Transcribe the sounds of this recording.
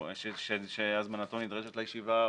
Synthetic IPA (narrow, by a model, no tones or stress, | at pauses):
ʃeʃeʃeazmanat̪onid̪ʁeʃet̪lajeʃiva